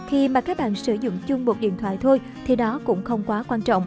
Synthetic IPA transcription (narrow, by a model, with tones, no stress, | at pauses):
xi˧maː˨˩kaː˦˥k̚ɓa̰ː˧˨nsɨ˧˩zʊ̰˧˨ŋ͡mt͡ɕʊ˧ŋ͡mmo˨˩t̚ɗḭ˧˨ənt̪wa̰ː˧˨jt̪ʰo˧j | t̪ʰi˨˩nɔ˨˦kʊ̰˧˥ŋ͡mxə˧wŋ͡mkwaː˨˦kwaː˧nt͡ɕɔ̰˧˨wŋ͡m